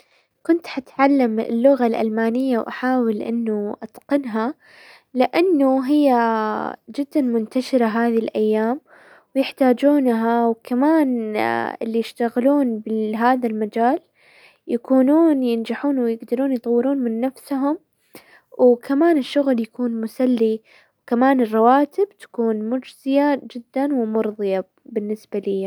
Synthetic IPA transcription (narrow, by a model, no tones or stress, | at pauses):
kʊnt̪ħat̪ʕalːamɪ̰lːʊɣalʔa̰lmaːnɪjːawʔaħaːwɪlʔɪ̰nːʊʔat̪qɑnɦa | lɪʔanːʊɦɪjːa | d͡ʒɪd̪ːanmʊnt̪aʃɪɾaɦaːðilʔajːaːm | wjɪħt̪aːd͡ʒuːnɦawkamaːnɪ̰lːijɪʃt̪aɣluːnbɪɦaːðalmad͡ʒaːl | jakuːnuːnjɪnd͡ʒaħuːnwɪjɪɡd̪ɑɾuːnjt̪ˤɑwːɪɾuːnmɪnːafsɦʊm | wkʰamaːnɪʃːʊɣljakuːnmʊsalːi | wkamaːnɪrˤːɑwaːt̪ɪbt̪ḁkuːnmʊd͡ʒz̥ɪjad͡ʒɪd̪ːanwɪmʊɾðˤɨja | bɪnːɪsbalija